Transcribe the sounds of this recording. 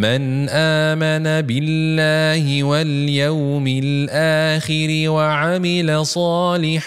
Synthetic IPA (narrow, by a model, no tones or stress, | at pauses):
man | ʔaː | manabɪlːaːhɪwal | jaw | mɪl | ʔaːxɪɾɪwaʕamɪlasˤɑːlɪħ